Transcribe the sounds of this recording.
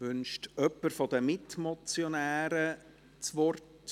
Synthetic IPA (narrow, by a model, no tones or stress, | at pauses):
vʏnʃtœpːəɾfɔd̪əmɪtmɔt͡sjonæːɾə | t͡sʋɔrt